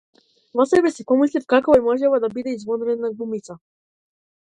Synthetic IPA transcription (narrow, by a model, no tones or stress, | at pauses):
vɔsɛbɛsipɔmislifkakɔɛmɔʒɛvad̪abid̪ɛizvɔd̪ɾɛnaɡumit̪sa